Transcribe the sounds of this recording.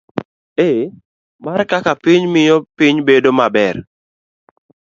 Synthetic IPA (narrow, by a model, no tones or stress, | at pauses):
e | markakapiɲmɪjopɪɲbedomabɛr